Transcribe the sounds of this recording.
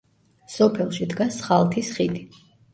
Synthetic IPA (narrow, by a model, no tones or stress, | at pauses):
sɔpʰɛlˠʃid̪ɡasχalˠt̪ʰisχid̪i